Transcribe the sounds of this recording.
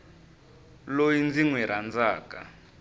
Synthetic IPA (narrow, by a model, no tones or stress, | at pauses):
lojind͡ziŋwɛɾʔand͡zaːka̰